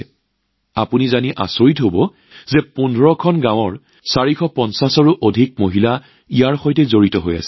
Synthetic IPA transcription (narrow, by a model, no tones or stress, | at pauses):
a̰punizaniʔa̰soɹitɦobɔ | zɛpundʱɹɔkʰɔnɡãw̃ɔɹ | saɹikʰɔpɔnsasɔɹuʔodʱik̚moɦila | ijaɹxojtɛzoɹitɔɦoja̰sɛ̥